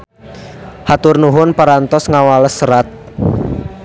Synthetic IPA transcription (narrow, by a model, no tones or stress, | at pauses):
hat̪ʊrnuɦʊnpaɾant̪ɔsŋawaləsəɾat̪̚